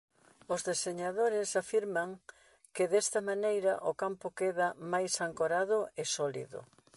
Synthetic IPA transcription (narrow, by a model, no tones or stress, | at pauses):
ʊzðeseɲaðoɾɪsafiɾmɐŋ | kɪðɛst̪ɐmanejɾɐʔʊkampʊkeðɐmajsaŋkoɾaðʊɪsɔlḭðʊ̰